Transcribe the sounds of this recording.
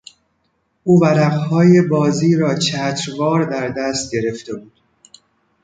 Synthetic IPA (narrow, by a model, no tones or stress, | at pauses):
ʔuːvæɾæʁhɒːje̞bɒːziːɾɒːt͡ʃʰæːt̪ʰɾvɒːɾd̪æɾd̪æst̪̚ɟe̞ɾe̞ft̪e̞buːd̪̥